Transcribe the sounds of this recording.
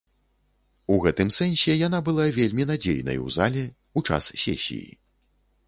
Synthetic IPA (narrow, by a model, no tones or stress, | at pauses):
uɣɛt̪ɨmsɛnsʲɛjan̪abɨlˠavʲelʲmʲinad͡zʲḛjnɐ̰juwza̰lʲɛ | ut͡ʂa̰ssʲḛsʲḭjḭ